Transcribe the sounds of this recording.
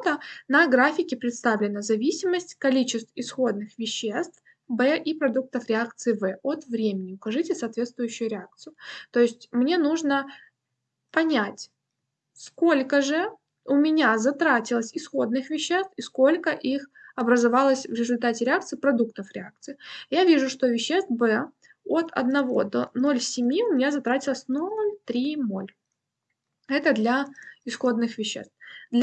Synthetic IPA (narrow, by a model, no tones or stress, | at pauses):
t̪ənɐɡɾafʲɪkʲɪpɾʲɪt̪st̪avlʲɪnəzɐvʲisʲɪməsʲtʲkɐlʲit͡ɕɪst̪vɪsxo̞d̪̚nɨxvʲɪɕːest̪f | bɛʔipɾɐd̪uk̚t̪əfɾʲɪakt̪sɨɪvɛo̞t̪vɾʲemʲɪnʲɪʊkɐʐɨtʲɪsɐːt̪vʲe̞t̪st̪vʊjʏɕːʊjʊɾʲɪak̚t̪sɨjʊt̪oɪsʲtʲmnʲe̞nuʐnə | pɐnʲatʲ | sko̞lʲkəʐɨ | ʊmʲɪnʲazɐt̪ɾatʲɪlˠəsʲɪsxo̞d̪̚nɨxvʲɪɕːe̞st̪fɪsko̞lʲkəʔixɐbɾəzɐvalˠəsʲvɾʲɪzʊlʲt̪atʲɪɾʲɪak̚t̪sɨpɾɐd̪uk̚t̪əfɾʲɪak̚t̪sɨɪjavʲiʐʊʂt̪o̞vʲɪɕːe̞st̪bɛ | ot̪ɐ̰d̪nɐvo̞̰d̪o̞̰no̞lʲsʲɪmʲiʊmʲɪnʲazɐt̪ɾatʲɪlˠəsʲnolʲt̪ɾʲino̞lʲ | ɛt̪əd̪lʲɐɪsxo̞d̪nɨxvʲɪɕːḛst̪fd̪lʲ